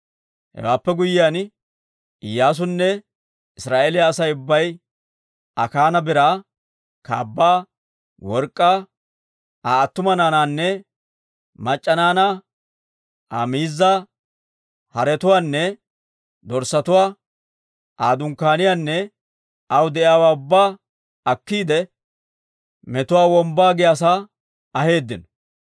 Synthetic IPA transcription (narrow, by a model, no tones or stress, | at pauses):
hɛ̰waːpːɛɡʊjɪjaːn | ɪjːaːs̬ʊnːɛ | ɪsɾaːʔelɪjaːsɐjʊbːɐj | ɐ̰kaːnɐbɪɾaː | ka̰ːbːaː | wɔɾkʼːaː | aːɐt̪ːʊmɐnaːnaːnːɛ | mɐt͡ʃʼːɐnaːna | a̰ːmiːzːa | hɐɾɛt̪ʊwaːnːɛ | d̪ɔɾsɐt̪ʊwaː | aːd̪ʊŋkːaːnɪjaːnːɛ | ɐwd̪ɛʔɪjaːwaːʊbːaː | ɐkːiːd̪ɛ | mɛt̪ʊwaːwɔmbaːɡɪjaːs̬a | ɐhe̞ːd̪ːɪnɔ